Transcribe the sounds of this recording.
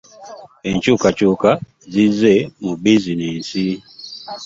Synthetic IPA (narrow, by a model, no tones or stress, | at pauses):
ɛn̩t͡ʃukat͡ʃuka | zizɛmubizinin̩si